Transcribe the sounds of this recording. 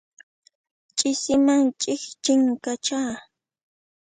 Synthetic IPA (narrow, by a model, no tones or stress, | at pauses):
t͡ʃʼɪsɪmaŋt͡ʃʼɪxt͡ʃɪŋkat͡ʃaː